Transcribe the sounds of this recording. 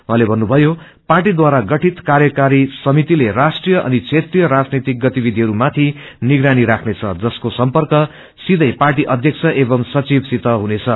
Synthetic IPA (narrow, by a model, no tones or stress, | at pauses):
mʌɦalebʱʌnːubʱʌjo | parʈid̪waɾaɡʌʈʰit̪karjʌkaɾisʌmit̪ilerasʈrijʌʔʌ̰nit͡sʰet̪rijʌɾad͡znit̪ik̚ɡʌt̪ibid̪ʱiɦʌɾumat̪ʰiniɡɾaniɾakʰnet͡sʰʌ̰d͡zʌskosʌmpʌrkʌ | sid̪ʱʌjparʈ̬iʔʌd̪ʱjʌkt͡sʰʌʔebʌmsʌt͡sibsit̪ʌɦunet͡sʰʌ